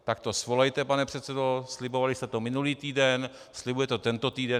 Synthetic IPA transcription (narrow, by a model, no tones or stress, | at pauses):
t̪ak̚t̪o̞svolɛjt̪ɛpanɛpr̝̥ɛt̪sɛdoslɪbovalɪst̪ɛt̪omɪnuliːt̪iːdɛn | slɪbujɛt̪ot̪ɛnt̪o̞t̪iːdɛ